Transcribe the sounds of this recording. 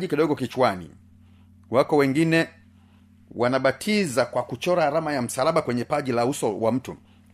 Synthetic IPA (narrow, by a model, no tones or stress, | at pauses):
ʄikiɗɔɡɔkit͡ʃwanḭ | wakɔwɛŋɡinɛ | wanaɓatʰizakwakut͡ʃɔɾaːɾamajam̩salaɓakwɛɲɛpaʄilausɔwam̩tu